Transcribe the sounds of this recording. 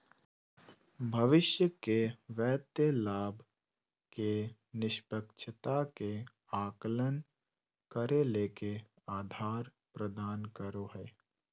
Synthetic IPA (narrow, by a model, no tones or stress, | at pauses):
bʱɐʋɪʃjəkeʋɛːt̪jəlaːbʱ | ke | nɪʃpəkʃʰət̪ake | aːklən | kəɾeleːke | aːd̪ʱaːɾ | pɾəd̪aːnkəɾoɦɛː